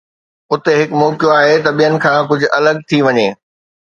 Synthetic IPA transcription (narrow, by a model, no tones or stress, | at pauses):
ʊt̪eɦɪkmɔːkjoaːɦet̪ɐɓijənɪ̆kʰãːk̬ʊd͡ʑʱʊ̆ʔɐləɡ̚t̪ʰiʋɐɲeː